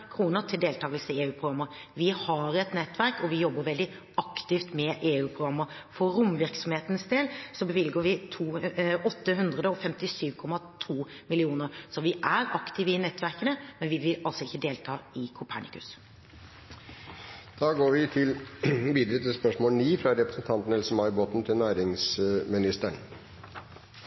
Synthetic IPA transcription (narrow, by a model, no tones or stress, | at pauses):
kʰɾuːnəɾt̪ʰɪld̪eːlt̪ʰɑːɡəlsəeːʉːpʰɾʊɡɾɑmːəɾʋɪhɑɾɛt̪nɛt̪ːʋæɾkɔʋɪjɔbːəɾʋɛld̪ɪ | ɑkt̪ɪft̪mɛʔeːʉːpʰʁʊɡɾɑmːəɾfɔːʊmʋɪɾksɔmheːt̪ənəsd̪eːlsɔbəʋɪlɡəɾʋɪt̪ʰuːɔt̪ːəɦʉnd̪ʁəd̪əɔfɛmt̪ɪsyːʋkʰɔmɑt̪ʰuːmɪlɪuːnəɾsɔʋɪʔæɾɑkt̪ɪʋəɪnɛt̪ːʰʋæɾkənəmɛnʋɪʋɪlɑlsɔɪçːəd̪eːlt̪ʰɑːɪkʰʊpʰæɳɪkʉ̰s | d̪̥ɑːɡoːɾʋɪt̪ʰɪlʋiːd̪ɾət̪ʰɪlspœʂmoːlniːfɾɑɾɛpɾəsn̩t̪ʰɑnt̪n̩hɛlsəmɑɪboːt̪n̩t̪ʰɪlnæːɾɪŋsmɪnɪst̪əɳ